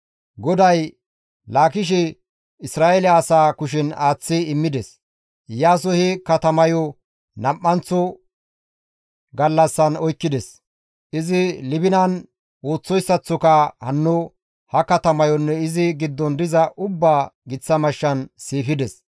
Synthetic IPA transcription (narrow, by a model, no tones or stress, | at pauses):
ɡɔd̪ɐj | laːkɪʃ̬ɪ | ɪsɾaːʔɛlɛɐsaːkʊʃɪnaːt͡sːɪɪmːɪd̪ɛs | jaːs̬ɔhɪkɐt̪ɐmɐjɔ | nɐmːɐnt͡sːɔ | ɡɐlːɐsːɐnɔjkːɪd̪ɛs | ɪzɪlɪbɪnɐn | woːt͡sːɔjsːɐt͡sːɔkɐhɐnːʊ | hɐkɐt̪ɐmɐjɔnːɛɪzɪɡɪd̪ːɔnd̪ɪzɐʔʊbːaːɡɪt͡sːɐmɐʃːɐnsiːfɪd̪ɛs